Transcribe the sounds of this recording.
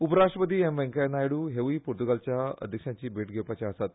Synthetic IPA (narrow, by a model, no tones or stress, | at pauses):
upəɾaʂʈɾəpəd̪iːemʋẽŋkajnajeɽuːɦeʋiːpuɾt̪uɡalt͡ɕjaə̰d̪ʱjəkʂjãɲt͡ɕiːbʱeʈɡʱewpat͡ɕaəsat̪̚